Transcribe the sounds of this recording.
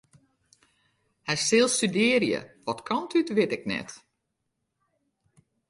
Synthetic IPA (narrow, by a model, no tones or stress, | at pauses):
hɛsɪlˠstydɪːərjə̰ʋɔtkʰɔntʰytʋɪtɪknɛ̰t